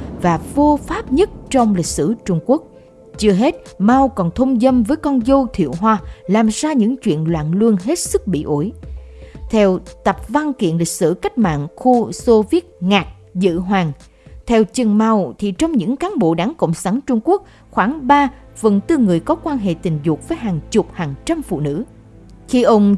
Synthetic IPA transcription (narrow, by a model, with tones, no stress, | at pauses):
vaː˨˩vo˧faː˦˥p̚ɲə˦˥t̚t͡ɕɔ˧wŋ͡mlï˨˩k̟̚sɨ̰˧˩t͡ɕʊ˧ŋ͡mku˦˥ək̚ | t͡ɕɨ˧əɦe˦˥t̚ma˧wkɔ˨˩nt̪ʰə˧wŋ͡mzə˧mvəː˨˦jkɔ˧nzo˧t̪ʰḭ˧˨əwɦwaː˧laː˨˩mzaː˧ɲɨ̰˧˥ŋt͡ɕwḭ˧˨ənlwa̰ː˧˨nlɨ˧ənɦe˦˥t̚sɨ˦˥k̚ɓḭ˧˨ʔu˧˩˦j | t̪ʰɛ˧wt̪ə˨˩p̚va˧nkḭ˧˨ənlï˨˩k̚sɨ̰˧˩ka˦˥k̟̚ma̰ː˧˨nxu˧so˧vi˦˥ət̚ŋaː˨˩k̚ | zɨ̰˧˨ɦwaː˨˩ŋ | t̪ʰɛ˧wt͡ɕɨ˨˩ŋma˧wt̪ʰi˨˩t͡ɕɔ˧wŋ͡mɲɨ̰˧˥ŋkaː˨˦nɓo̰˧˨ɗaː˨˦ŋkə̰˧˨wŋ͡msaː˨˦nt͡ɕʊ˧ŋ͡mku˦˥ək̚ | xwaː˧˩ŋɓaː˧ | fə˨˩nt̪ɨ˧ŋɨ˨˩əjkɔ˨˦kwaː˧nɦḛ˧˨t̪ï˨˩ŋ̟zʊ˨˩k̚vəː˨˦jɦaː˨˩ŋt͡ɕʊ˨˩p̚haː˨˩ŋt͡ɕa˧mfṵ˧˨nɨ̰˧˥ | xi˧ʔə˧wŋ͡m